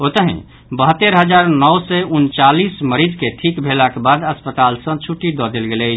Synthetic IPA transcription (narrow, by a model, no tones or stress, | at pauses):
ot̪əɦḭ̃ | bəɦət̪ːəɾɦəd͡ʒaɾnɔwsɛunt͡ʃalisməɾid͡ʒkeʈʰikbʱelakebad̪əspət̪alsə̃t͡ʃʰuʈːid̪ɔd̪elɡeləɪt͡ʃʰ